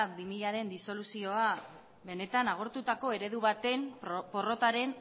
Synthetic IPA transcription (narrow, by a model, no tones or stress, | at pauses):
bimiʎaɾe̞nd̪iso̞lusio̞a | βe̞ne̞t̪anaɣ̞o̞ɾt̪ut̪ako̞eɾe̞ðuβat̪e̞mpo̞ro̞t̪aɾe̞n